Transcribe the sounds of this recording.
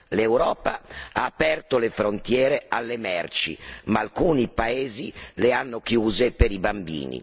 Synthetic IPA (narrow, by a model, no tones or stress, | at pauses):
lewɾɔːpaaːpɛrt̪olefɾont̪jɛːɾealːemɛrt͡ʃḭmaːlkuːnipaeːzileanːokjuːzepeɾibambḭːnḭ